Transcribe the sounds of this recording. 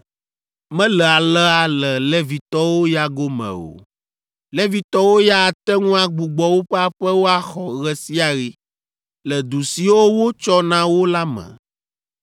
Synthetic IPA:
mɛ̃˦lɛ˨a˨lɛ˦a˨lɛ˨lɛ˦vi˨t̪ɔ˦wo˦ja˦ɡo˦mɛ̰̃˨o̰˨ | lɛ˦vi˨t̪ɔ˦wo˦ja˦˨t̪ɛ˦ŋũ˦a˨ɡ͡bu˨ɡ͡bɔ˨wo˦ɸɛ˦a˦ɸɛ˦wo˦a˦xɔ˨ɣɛ˦si˦a˨ɣi˦ | lɛ˨d̪u˨si˨wo˦wo˦t͡ʃɔ˦nã˦wo˦la˦mɛ̰̃˨

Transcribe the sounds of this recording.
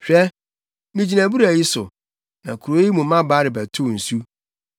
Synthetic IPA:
ɕᶣɛ˦ | nĩ˦d͡ʑi˨næ̃˨bu˦ɾæ˨ji˦sʊ̰˨ | nã˨kʰu˨ɾo˨˦i˦mũ˨˦ã˦ba˦ɾɪ˨bæ˨tʰʊ˦˨n̩˨su˦

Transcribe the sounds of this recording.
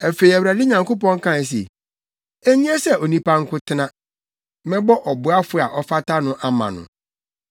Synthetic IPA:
ɛ˨fe˨i˨æ˨wɾæ˨dɪ˦ɲã˨ŋko˦pɔ̃˦ŋ̩˦kʰã˦n˨s̬ḛ˨ | e˦ɲĩ˦ɛ˦sɛ˦o˨nĩ˦pa˦ŋ̩˦kʰʊ˦tʰɪ˦nã˦ | mɛ̃˦bɔ˦ʔɔ˨bʊ˨a˦fʊ˦˨a˨ʔɔ˦fa˦ta˦nʊ̃˦ʔa˦mã̰˨nʊ̰̃˨

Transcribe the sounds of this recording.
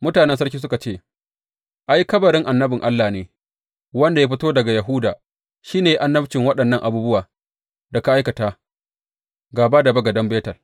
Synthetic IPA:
mʊ˦taː˨nɛ˦nsɐ˦rk̬ʲiː˦s̬ʊ˦ka˨t͡ʃeː˦˨ | ʔa˦jkɐ˦bɐ˨ɾɪ˦ŋʔa˨nːɐ˦bɪ˨ŋʔa˦lːaː˨neː˨ | wɐ˦nda˨ja˦ɸ̬ɪ˦toː˦dɐ˨ɡa˨jɐ˨ɦʊ˦daː˨ | ʃiː˦neː˨ʔa˨nːɐ˦bt͡ʃɪ˨ŋwɐ˦ɗɐ˨nːɐ˦ŋʔa̰˨buː˦bʊ˦waː˨ | dɐ˨ka˨ʔa˦jkɐ˨taː˦ | ɡaː˨baː˦da˨bɐ˦ɡɐ˨dɐ˦mbeː˦tɐ˨l

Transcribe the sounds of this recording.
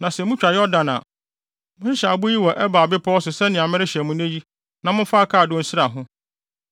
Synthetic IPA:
nã˨sɛ˨mũ˦t͡ɕᶣɾa˨jɔ˦dã˨na̰˨ | mʊ̃˦ɕɪ˦ɕa˨bʊ˦ji˦wɔ˨ʔɛ˦ba˨bɪ˦pʰɔ˦ɔ˦sʊ˨sɛ˦nɪ̃˨a˨mɪ̃˦ɾɪ˦ɕɛ˨mũ˦næ̃˦ji˦ | nã˨mʊ̃˦fa˦kʰa˦˨dʊ̃˦n̩˦sɪ˦ɾa˨ɦʊ̃˦

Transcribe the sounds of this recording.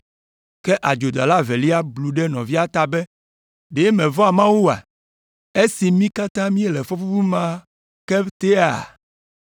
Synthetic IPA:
kɛ˦ʔa˨d͡ʒo˨d̪a̰˨la˦ve˨li˦a˦blu˨ɖɛ˦nɔ̃˨vi˦a˦t̪a˨bɛ˦ | ɖe˨˦mẽ˨vɔ˦a˨mã˦wu˦a̰˨ | e˦si˨mĩ˦ka˦t̪ã˦mĩ˦e˦lɛ˨fɔ˦fu˦fu˦mã˦ | ke˦t̪e˦a̰˨

